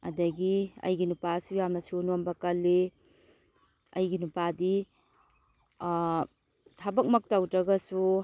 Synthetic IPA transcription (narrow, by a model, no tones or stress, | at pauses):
ɐ̰dɐɡiɐ̰jɡinupasujamnɐsunombɐkɐlːe | ɐ̰jɡinupadi | tʰɐbɐk̚mɐk̚tawtɾɐɡɐsu